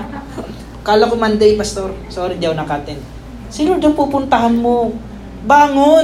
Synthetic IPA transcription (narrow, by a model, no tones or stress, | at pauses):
kaːlakomɐnd̪ɛjpɐst̪oɾsoːɾɪd͡ʒawnɐkaːt̪ɛn | sɪnod̪ɐŋpupʊnt̪ɐɦanmo | baːŋo